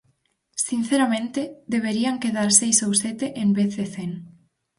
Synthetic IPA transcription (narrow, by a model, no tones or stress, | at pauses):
sin̟θeɾamẽnt̪ed̪eβeɾiaŋkeðaɾsejsowset̪eʔembeθðeθeŋ